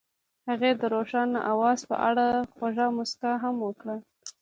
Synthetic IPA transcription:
haɣed̪əɾoʂɑnːa̰ʔawɑzpə̰ʔaɽaxwaʒɑmʊskaɦamwəkɽa

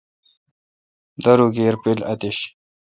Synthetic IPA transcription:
d̪ɐɾuɡeːɾpilɐt̪iɕ

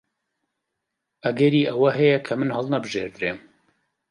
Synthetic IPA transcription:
ʔɐɡɛɾiːʔɐwɐɦɛjɛkʰɐmɨnhɐlˠnɐbɨʒḛːɾd̪ɨɾeːm

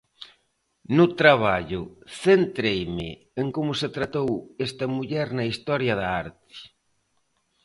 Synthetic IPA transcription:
nʊt̪ɾaβ̞aʎʊθent̪ɾejmɪ̰ | eŋkomʊset̪ɾat̪owest̪ɐmuʎɛɾnɐist̪ɔɾjɐðɐaɾt̪ɪ̥

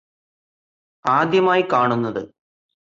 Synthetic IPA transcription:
aːd̪jɐmaːjikaːɳunːɐðɨ

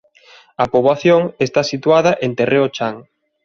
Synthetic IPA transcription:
ɐpoβlaθjoŋest̪asit̪waðɐʔent̪erʔeot͡ʃaŋ

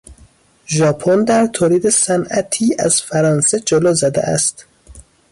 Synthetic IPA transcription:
ʒɒːpʰond̪æɾt̪ʰoːliːd̪esænʔæt̪ʰiːʔæ̰z̥fæɾɒːnsed͡ʒoloːzæd̪ḛʔæ̰st̪

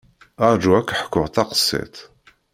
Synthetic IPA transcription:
ɑɾˤd͡ʒuækʷːħə̥kːʊʁt̪ɑqə̥sːḭt̪

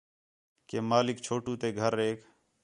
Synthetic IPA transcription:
keːmaːlɪkt͡ʃʰoːʈũːt̪eːɡʱəɾːeːk

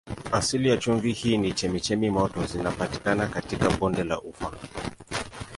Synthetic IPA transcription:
asilijat͡ʃuɱvihiːnit͡ʃɛmit͡ʃɛmimɔtɔzinapati̥kanakatikaɓɔndɛla̰ʔufa

